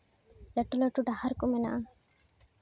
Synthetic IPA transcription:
lɐʈulɐʈuɖɐhɐɾkumena̰ː

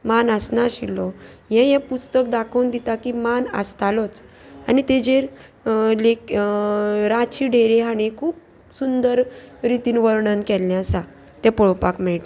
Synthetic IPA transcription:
manəsnaɕilɔjɛ̃jɛ̃pust̪əkd̪akʰəwnd̪it̪akimanə̰st̪alɔt͡s | anit̪ed͡ʑeɾ | le | ɾat͡ɕʰiɖeɾeɦañikʰuːp̚ | sund̪əɾɾit̪iːnʋəɾɳənkɛlnjasa | t̪ɛ̃pəɭɔpakmɛɭʈ̪

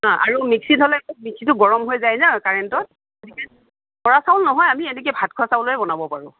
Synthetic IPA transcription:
ɦãʔa̰ɹumiksidʱɔlɛkut̚miksitʊɡɔɹɔmɦojzajzakaɹɛntɔt̚ | azikɛ | kɔɹasawlnɔɦɔjamiɛnɛk̬ɛbʱat̚kʰʊasaʊloɛbɔnabɔpaɹʊ̃

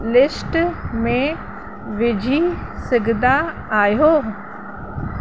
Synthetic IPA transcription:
lɪsʈmẽ | ʋɪd͡ʑʱisɪɡʱd̪a | aːjoː

